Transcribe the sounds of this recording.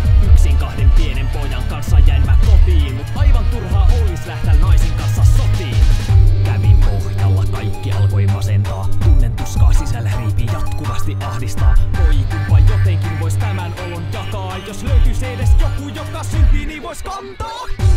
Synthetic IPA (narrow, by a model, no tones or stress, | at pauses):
yøksiːŋkɑhdempienempojɑŋkɑnsːɑjæemːækkopiːmmut̪ʔɑiʋɑnt̪urhɑːʔoːlislæht̪ænnɑisiŋkɑnsːɑsop̪iːkæʋipohjɑlːɑkɑikːiɑ̰lkoimɑsent̪ɑɑːt̪unːent̪uskɑ̰ːsisælːæriːpiːjɑt̪kuʋɑst̪iʔʔɑhdist̪ɑ̰ːʋoikuʋɑjjot̪eŋkinʋoisʲt̪æmænolːojjɑkɑːjosløyt̪yseːdesjokujokɑsynt̪iːniːʋoiskɑnt̪ɑː